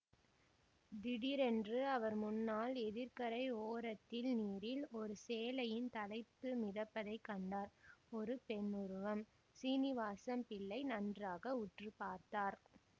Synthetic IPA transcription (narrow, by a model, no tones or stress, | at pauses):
d̪ɪɽiɾɛndrɯɐʋɐɾmʊnːaːlɛðɪɾkɐɾɐɪoːɾɐt̪ːɪlniːɾɪlɔɾɯseːlɐjɪnt̪ɐlɐɪpːɯmɪðɐpːɐðɐɪkːɐɳɖaːɾɔɾɯpɛnːʊɾɯʋɐm | siːnɪʋaːsɐmpɪlːɐɪnɐndraːɣɐʊʈrɯpaːɾt̪aːɾ